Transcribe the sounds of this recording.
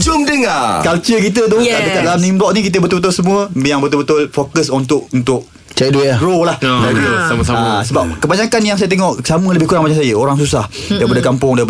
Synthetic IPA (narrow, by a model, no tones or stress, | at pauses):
d͡ʒʊmdəŋakalt͡ʃəkit̪̬ət̪̬ʊhkaʔdəkat̪̚lalamnimblɔʔ̚nĩkit̪̬əbət̪ulbət̪̬ulsəmũəjaŋbət̪ʊlbət̪ʊlfokəsɔnt̪ʊʔunt̪ʊʔ | t͡ʃadujaɡɾolahd͡ʒadsaməsaamsəbap̚kəbaɲakanjaŋsajət̪eŋɔʔsamələbɪhkuɾaŋbaɲaʔsajəoɾaŋs̬usah | ajpadəkampʊŋdaip